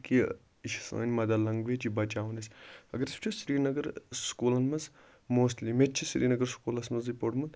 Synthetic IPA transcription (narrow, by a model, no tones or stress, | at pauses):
ki | iʃsɐ̰ːnʲmɐd̪aːlɐŋɡʋed͡ʒibɐt͡ʃaːʋɐnɐsʲɐ̰ɡɐɾɐst͡ʃʰusɾiːnɐɡɐɾskuːlɐnmɐz | moːstlimet̚t͡ʃʰisɾḭːnɐɡɐɾskuːlɐsmɐzipoɽmɐn